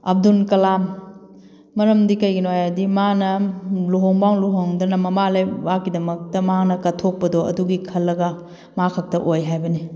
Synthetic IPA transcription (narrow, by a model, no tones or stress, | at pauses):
ɐ̰b̚dunkɐlamː | ɐɾɐmdikɐjɡinojadimanɐluɦoŋbaŋluɦoŋdɐnɐmɐmalajbakːidɐmɐk̚tɐmanɐkɐtʰok̚pɐdoɐ̰duɡikʰɐlːɐɡɐ | makʰɐk̚tɐʔojɦajbɐni